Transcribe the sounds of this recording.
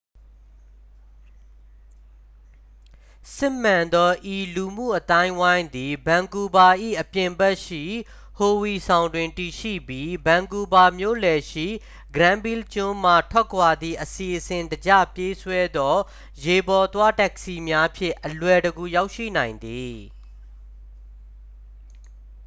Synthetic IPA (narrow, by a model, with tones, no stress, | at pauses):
sɪ̃˦˨m̥ã˨nd̪ɔ˦ʔi˨lu˨m̥ṵ˦˨ʔət̪ã˦ɪ̃˦wã˦ɪ̃nd̪i˨bã˨ŋɡu˨ba˨ʔḭ˦˨ʔəpjɪ̃˨mbɛ˦ʔʃḭ˦˨ | ho˨wi˨sʰã˨ʊ̃ndwɪ̃˨nti˨ʃḭ˦˨bji˦bã˨ŋɡu˨ba˨mjo̰˦˨lɛ˨ʃḭ˦˨ | ɡɹã˦mbi˦lt͡ɕʊ̃˦m̥a˦˨tʰwɛ˦ʔkʰwa˨d̪ðḭ˦˨ʔəsi˨ʔəsɪ̃˨ndəd͡ʑä̰˦˨pje˦swɛ˦d̪ɔ˦ | je˨bɔ˨t̪wa˦tɛ˦˨ksi˨mja˦pʰjɪ̰̃˦˨ʔəlwɛ˨dəɡu˨ja˦ʊʔʃḭ˦˨nã˨ɪ̃nd̪i˨